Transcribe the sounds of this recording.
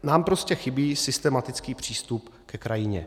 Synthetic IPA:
naːmpɾo̞scɛxɪbiːsɪst̪ɛmat̪ɪt͡skiːpr̝̥iːst̪upkɛkɾajɪɲɛ̰

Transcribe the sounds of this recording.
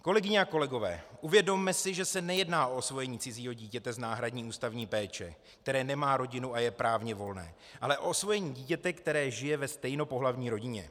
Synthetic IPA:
ko̞lɛɡɪɲɛako̞lɛɡo̞vɛ̰ːʔuvjɛdo̞mːɛsɪʒɛsɛnɛjɛdnaːʔo̞osvo̞jɛɲiːt͡sɪziːɦo̞ɟiːcɛt̪ɛznaːɦɾadɲiːʔuːst̪avɲiːpɛːt͡ʃɛ̰ | k̚t̪ɛɾɛːnɛmaːɾo̞ɟɪnuajɛpɾaːvɲɛvo̞lnɛ̰ː | ʔalɛʔo̞osvo̞jɛɲiːɟiːcɛt̪ɛkt̪ɛɾɛːʒɪjɛvɛst̪ɛjno̞po̞ɦlavɲiːɾo̞ɟɪɲɛ̰

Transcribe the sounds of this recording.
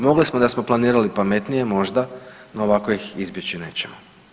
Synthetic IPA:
mo̞ɡlismod̪asmo̞planiːɾalipame̞t̪nije̞mo̞ʒd̪anoːʋaːko̞jixizbje̞t͡ɕine̞̰ːt͡ɕemo

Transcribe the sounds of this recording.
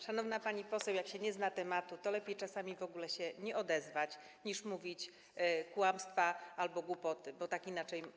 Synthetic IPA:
ʂanɔvn̪apaɲipɔsɛwjakɕɛɲɛznat̪ɛmat̪ut̪ɔlɛpʲjejt͡ʂasamʲivɔɡulɛɕɛɲɛʔɔd̪ɛzvat͡ɕ | ɲiʂmuvʲit͡ɕ | kwamst̪faalbɔɡwupɔt̪ɘbɔt̪akinat͡ʂɛj

